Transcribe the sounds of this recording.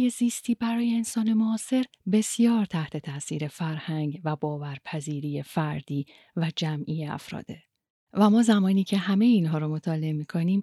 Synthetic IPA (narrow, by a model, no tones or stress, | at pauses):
je̞ziːst̪ʰiːbæɾɒːjeːnsɒːne̞moɒːse̞ɾ | be̞sijɒːɾt̪ʰæht̪ʰe̞t̪ʰæʔsḭːɾe̞fæɾhæŋɡvæbɒːvæɾpʰæziːɾiːje̞fæɾd̪̥iː | væd͡ʒæmʔiːeæ̰fɾɒ̰ːd̪e̞ | væmɒːzæmɒːniːcʰe̞ɦæme̞jiːnɦɒːɾomot̪ʰɒːle̞emiːkʰo̞niːm